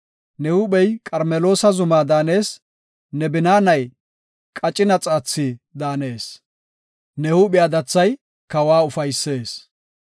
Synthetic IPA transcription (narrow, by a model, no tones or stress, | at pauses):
nɛhʊɓɛjkʼɐɾmɛlo̞ːsɐzʊmaːd̪aːne̞ːs | nɛbɪnaːnɐj | kʼɐt͡ʃʼɪnɐt͡sʼaːt͡sːiːd̪aːne̞ːs | nɛhʊɓɪjaːd̪ɐt͡sːɐj | kɐwaːʊfɐjsːe̞ːs